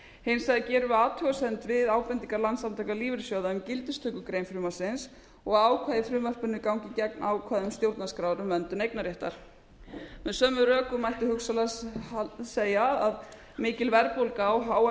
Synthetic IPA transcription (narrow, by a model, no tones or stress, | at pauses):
hejnsaðacɛːɾʏaːt̪ʰœasɛnt̪vɪðaːwpɛnt̪iŋkaɾlant̪samt̪ʰajkaliːvɪɾsjoːwðaʏmcɪlt̪ɪst̪ʰœkʏkɾejnfɾʏmḁsɪns | ɔɣaaːwkʰvaːðɪfɾʏːmar̥pʏnːʏkawŋcɪcɛk̚naːwkʰvaːðʏmst̪jowɾt̪naskɾaːwɾʏmvɛnt̪ʏnejk̚naɾjɛht̪a̰ɾ̥ | mɛðsœːmʏrœːkʏmajht̪ɪhʏksala | seːjaað | mɪːcɪlvɛɾpowlkaɔwɦaːw